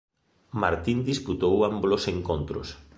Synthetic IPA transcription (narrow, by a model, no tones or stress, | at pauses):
maɾt̪ind̪isput̪owambloseŋkont̪ɾʊ̰s